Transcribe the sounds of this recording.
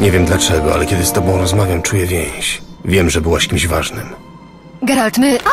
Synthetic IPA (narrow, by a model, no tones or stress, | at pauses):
ɲɛvʲjɛmd̪lat͡ʂɛɡɔa̰lɛkʲɛd̪ɘst̪ɔbɔ̃w̃ɾɔzmavʲjamt͡ʂujɛvʲjɛ̃j̃ɕvʲjɛmʐɛbɘwaɕkʲimʑvaʐnɘm | ɡaɾalt̪mɘ